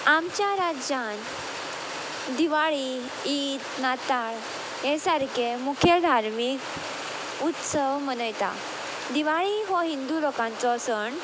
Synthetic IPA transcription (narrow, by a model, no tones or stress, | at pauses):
amt͡ɕjaɾad͡ʑan | d̪iʋaɭi | it̪nat̪aɭ | jẽsaɾkemukʰed̪ʱaɾmik | ut̪səwmənəjt̪a̰ | d̪iʋaɭiɦɔ̃ɦind̪ulokãnt͡sɔsəɳ